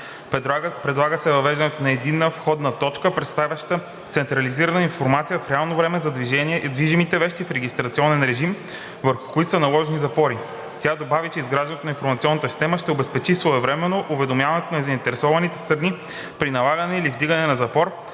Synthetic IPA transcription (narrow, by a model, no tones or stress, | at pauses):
pɾɛd̪lˠaɡəsɛvɐvɛʒd̪ɐnɛt̪onɐɛd̪inːəfxɔd̪nət̪ɔt͡ʃkəpɾɛt̪st̪avʲɐʃt̪ə | t̪sɛnt̪ɾɐliziɾɐnəinfoɾmat̪sijəfɾɛalˠnovɾɛmɛzɐd̪viʒɛniɛd̪viʒimit̪ɛvɛʃt̪ifɾɛɡʲist̪ɾɐt̪siɔnɛnɾɛʒim | vəɾxʊ̥koit̪o̥sənɐlˠɔʒɛnizɐpɔɾi | t̪ʲad̪obavit͡ʃɛizɡɾaʒdɛnɛt̪onĩnfoɾmɐt̪siɔnːət̪əsi̥st̪ɛməʃt̪ɛobɛspɛt͡ʃisvoɛvɾɛmɛnːoʔʊvɛd̪omjavɐnɛt̪onɐɛzɐint̪ɛɾɛsɔvɐnit̪ɛ̥st̪ɾɐni | pɾinɐlˠaɡɐnɛilivd̪iɡənɛnɐzɐpɔɾ